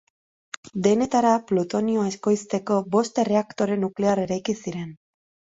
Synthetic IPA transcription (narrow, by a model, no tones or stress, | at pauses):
d̪e̞ne̞t̪aɾaplut̪o̞nioae̞sko̞jst̪e̞ko̞bo̞st̪e̞re̞akt̪o̞ɾe̞nukle̞are̞ɾajkisiɾe̞n